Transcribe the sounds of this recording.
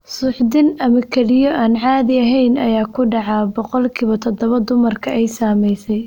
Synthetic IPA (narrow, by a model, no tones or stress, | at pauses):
sʊːħd̪ɪnɐmɐkʰɛlɪjɔʔaːnʕɑːðɪɐɦɛjnɐjaːkʰʊɖɑʕɑbɔqɔlkʰiːβɐt̪ʰɔd̪ɔβɐd̪ʊmɐrkʰɐʔɛjsaːmɛjsɛj